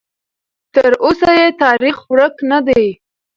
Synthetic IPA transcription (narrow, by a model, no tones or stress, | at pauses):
t̪əɾosajet̪ɑɾixɾəknad̪aj